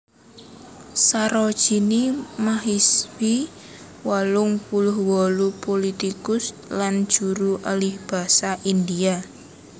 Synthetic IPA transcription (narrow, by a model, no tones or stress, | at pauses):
saɾɔd̥ʒ̥i̤nimaɦiswi | walʊŋpulʊhwɔlupolit̪ikʊs | land̥ʒ̥ṳɾuʔalɪhb̥a̤saʔind̪ia